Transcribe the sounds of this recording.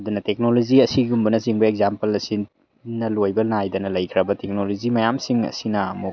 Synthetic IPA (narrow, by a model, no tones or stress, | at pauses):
ɐdunɐtek̚noloziɐsiɡumbɐnɐsiŋbɐekzampɐlɐsi | nɐlojbɐnajdɐnɐlɐjkʰɾɐbɐtek̚nolozimɐjamsiŋɐ̰sinɐːmuk